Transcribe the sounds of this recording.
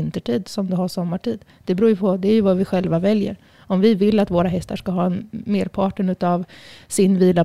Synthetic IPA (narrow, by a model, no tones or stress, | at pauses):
nt̪əʈʰiːd̪sɔmd̪ɛɦaʂɔmːaʈiːd̪ | d̪̥ɛbɾuːjɵpʰɔd̪ɛæɾjɵvavɪɧɛlvavɛljə̰ɾ | ɔmvɪvɪlːat̪voːɾaɦɛst̪aʂkaɦɑːɛnmeːɾpʰɑːʈəɳʉ̟ːt̪avsɪnviːla